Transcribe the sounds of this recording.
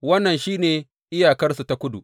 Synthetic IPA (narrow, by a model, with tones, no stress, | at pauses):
wɐ˦nːɐ˨nʃiː˦neː˨ | ʔɪ˦jaː˨kɐ˦rsu˨ta˦kʷʊ˦dṵ˨